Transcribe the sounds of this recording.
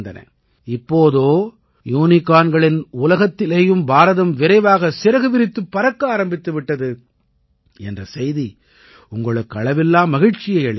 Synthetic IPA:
nd̪ɐnɐ̰ | ɪpːoːðoː | juːnɪkːaːnɡɐɭɪnʊlɐɣɐt̪ːɪleːjɯmbaːɾɐðɐmʋɪɾɐɪʋaːɣɐsɪɾɐɣɯʋɪɾɪt̪ːɯpːɐɾɐkːaːɾɐmbɪt̪ːɯʋɪʈːɐðɯ | ɛ̰ndrɐsɛjði | ʊŋɡɐɭɯkːɯɐɭɐʋɪlːaːmːɐɣɪɻt͡ʃɪjɐɪɐɭɪ

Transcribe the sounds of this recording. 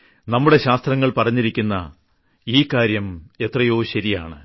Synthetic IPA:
nɐmːuɽe̞ɕaːst̪rɐŋːɐɭpɐrɐɲːiɾikʲːunːɐ̰ | iːkːaːɾjɐme̞t̪rɐjo̞ːɕɐɾija̰ːɳɨ

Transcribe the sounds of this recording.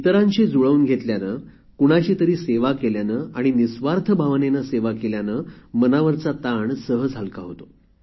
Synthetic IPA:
it̪əɾãɲt͡ɕed͡zuɭəuːnɡʱet̪ljanəː | kuɽ̃aɕiːt̪əɾiːseʋakeljanəaɽ̃inisʋaɾt̪ʰəbʱaʋnenaseʋakeljanəːmənaʋəɾt͡sat̪aɳsəɦəd͡zʱalkaɦot̪o

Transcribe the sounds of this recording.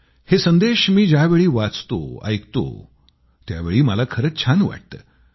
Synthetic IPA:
hesənd̪eɕmiːd͡ʑaʋeɭiːʋat͡st̪o̰a̰jkt̪o̰ | t̪ja̰ʋeɭiːməlakʰəɾət͡st͡ɕʰanʋa̰ʈ̚t̪ə̰ː

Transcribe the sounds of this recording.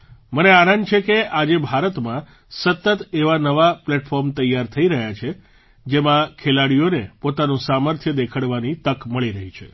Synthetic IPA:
məneanənt͡ʃʰekeʔad͡ʒebʱaɾət̪mã | sət̪ːət̪eʋanəʋaplɛʈfɔɾmt̪əjːaɾt̪ʰəiɾəɦjat͡ʃʰe | d͡ʒemãkʰelaɽijonepot̪anũsaməɾt̪ʰjəd̪ekʰəɽʋanit̪əkməɭiɾəɦit͡ʃʰḛ

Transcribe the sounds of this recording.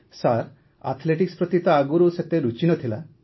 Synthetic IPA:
saɾ | a̰t̪ʰleʈikspɾɔt̪it̪ɔaɡuɾuset̪eɾut͡ʃinɔt̪ʰila

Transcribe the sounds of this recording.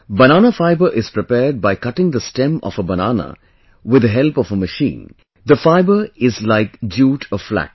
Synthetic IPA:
bɐñaːnəfaɪbəʔɪz̥pɾɪpɛːɾɖ̚baɪkʌʈɪ̃ŋd̪əstɛ̃mɔ̰fəbɐnaːnə̰ | wɪd̪əɦɛlpɔfəməʃḭ̃ːn | d̪əfaɪbəɾɪzlaɪkd͡ʒuːʈʰɔflæ̰k̚

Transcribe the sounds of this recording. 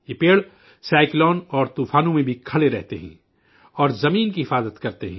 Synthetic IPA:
jeːpeːɭ | saːɪklɔːnɔːɾt̪uːfʰaːnõmẽbʱikʰɐɭeɾɛɦt̪eɦɛ̰̃ː | ɔːɾzɐmiːnkiɦɪfaːzət̪kɐɾt̪eɦɛ̰̃ː

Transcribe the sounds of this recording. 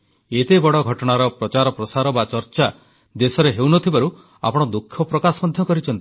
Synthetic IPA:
et̪ebɔɽɔɡʱɔʈɔɽ̃aɾɔpɾɔt͡ʃaɾɔpɾɔsaɾɔbat͡ʃɔɾt͡ʃa | d̪esɔɾeɦewnɔt̪ʰibaɾu | a̰pɔɽ̃ɔd̪ukʰːɔpɾɔkasɔmɔd̪ʱjɔkɔɾit͡ʃʰɔnt̪i̥

